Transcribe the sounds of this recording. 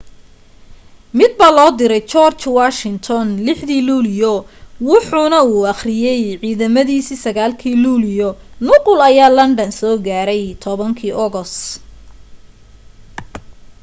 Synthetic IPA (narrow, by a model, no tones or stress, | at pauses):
mɪd̪̚bɐlɔːd̪ɪɾɛjt͡ʃɔːrt͡ʃwaːʃɪnt̪ʰɔnlɪħðiːluːlɪjɔwʊħuːnɐuːɑχrɪjɛjʕiːðɐmɐðiːsiːsɐɣaːlkʰiːluːlɪjɔnʊqʊlɐjaːlɐnɖɐnsɔːɡaːɾɛjt̪ʰɔβɐŋkʰiːʔɔɣɔs